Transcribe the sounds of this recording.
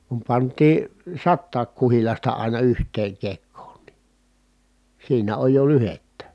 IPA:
kum pɑntˑiː sɑtːɑːk kuhilɑstɑ ɑˑinɑ yhtˑeːŋ kekːoːn ni siːnæ oj jo lyhetːæ

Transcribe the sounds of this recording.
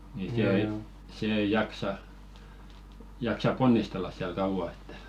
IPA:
ni se ei se ei jɑksɑ jɑksɑp̆ ponːistelːɑs siæl kɑuʋɑˑ etːæ̥

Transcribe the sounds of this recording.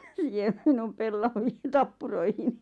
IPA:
siːhem minum pelːɑʋiːn tɑpːuroihini

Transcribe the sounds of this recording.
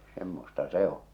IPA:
semːostɑ se on̞

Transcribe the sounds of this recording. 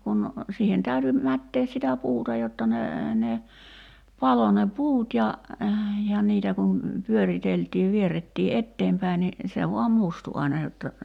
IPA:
kun siːhen tæyty mætːeːs sitæ puːtɑ jotːɑ ne ne pɑlo ne puːt jɑ jɑ niːtæ kun pyøriteltiːʋ ʋieretːiː etːeːmpæi ni se ʋoɑm mustu ɑinɑ jotːɑ

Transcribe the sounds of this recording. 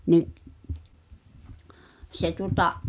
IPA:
niʔ se tuŏtɑ

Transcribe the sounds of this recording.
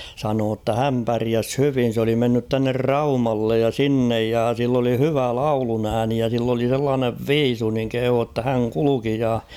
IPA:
sɑnoː tːæ hæm pæriæs hyʋin̞ s oli menːyt tuɑnːer rɑumɑlːej jɑ sinːej jɑ silː oli hyʋæ lɑulunæːni jɑ silː oli selːɑːneʋ ʋiːsu niŋ kehuː tːɑ hæŋ kuluki jɑ

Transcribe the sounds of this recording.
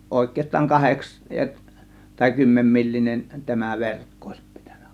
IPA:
oˑe̝kˑeːstˑɑːŋ kɑheks tɑi kymːemːilːinen tæmæ ʋerkːo oˑe̝s pi̥tæ̥n̥æ̥

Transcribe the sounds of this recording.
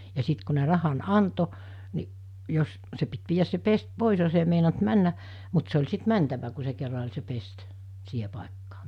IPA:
jɑ siˑt ku ne rɑhɑn ɑnto ni jos se pit ʋiːjæs se pest poˑis jos ei meinɑnt mænːæ mut se olʲ sit mæntæʋæ ku se kerːɑ olʲ se pest siːhe pɑˑekːɑː

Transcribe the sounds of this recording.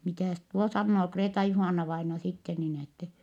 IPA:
mitæˑs tuo sɑnːoː kreːtɑjuhɑˑnːɑʋɑinɑ sitːe niːn etːɛ

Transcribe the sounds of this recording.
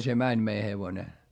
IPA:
se mænʲ mei heʋone

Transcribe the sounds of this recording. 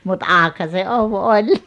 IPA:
mut ɑːkhɑ se oʋ olʲ

